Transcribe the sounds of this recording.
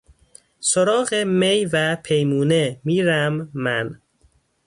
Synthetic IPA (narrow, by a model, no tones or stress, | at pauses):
soɾɒːɣemejvæpʰe̞jmuːnemiːɾæmːæn